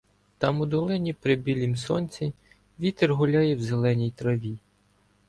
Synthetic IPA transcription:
t̪ɑmʊd̪ɔlˠɪnʲipɾɪbʲilʲimsɔnʲt͡sʲi | ʋʲit̪erɦʊlʲɑjɛwzelˠɛnʲijt̪ɾɐʋʲi

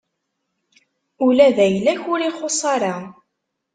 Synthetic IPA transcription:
ʊlæðæjlːæçʊɾiχosˤɑɾˤɑ

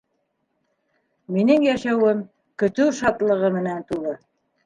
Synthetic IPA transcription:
minɘŋjæʃæwɘm | kɵ̆t̪ɘwʃɑt̪lˠɤ̆ʁɤmɘ̆nænt̪ulˠɤ

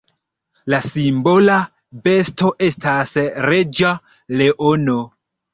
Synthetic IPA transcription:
lasimbo̞la | be̞sto̞ʔe̞stasɾe̞d͡ʒa | le̞ʔono̞

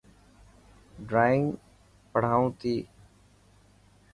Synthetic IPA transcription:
ɖɾaːɪ̃ŋɡ | pəɽ̤aːũːt̪iː

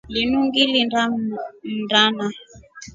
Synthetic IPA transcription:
linuŋɡilinda | ndana

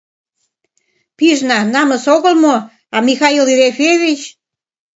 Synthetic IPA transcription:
piʒnɑnɑmə̆soɣəlmo | ɑmixɑilɾefeβit͡ɕ

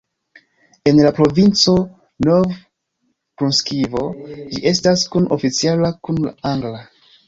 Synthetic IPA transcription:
e̞nlapɾo̞vint͡so̞ | nov | kɾunskivo̞d͡ʒiʔe̞staskuno̞̰fit͡sialakunlaaŋɡla

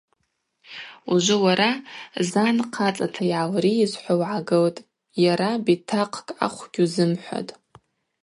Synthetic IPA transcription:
uʒʷʊwaɾazanqʰat͡sʼatʰajʕawriːzħʷawʕaɡɨltʼ | jaɾabitʰaqʰkʼa̰χʷɡ̥ʲuzɨmħʷa̰tʼ

